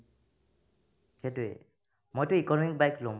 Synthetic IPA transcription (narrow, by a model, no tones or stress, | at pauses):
setuḛ | mojtʊikɔnmik̚bajklõ